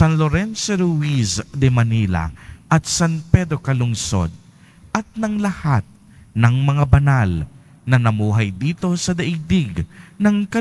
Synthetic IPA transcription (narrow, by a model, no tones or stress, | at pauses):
sanloɾɛnsoɾʊwisd̪ɛmɐnila̰ʔɐt̪̚sanpɛd̪ɾokɐlʊŋso̰d̪̚ | ʔɐt̪̚nɐŋlɐhat̪̚ | nɐŋmɐŋabɐnal | nɐnɐmuːɦɐjd̪iːt̪o̞sɐd̪ɐʔid̪ɪɡnɐŋkɐ